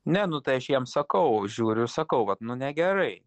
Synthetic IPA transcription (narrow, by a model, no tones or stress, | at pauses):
nʲɛnʊt̪ɐɪɐʃjiɛmsɐkɐʊʒʲuːɾʲʊsɐkɐʊʋɐt̪nʊnʲɛɡʲɛɾɐɪ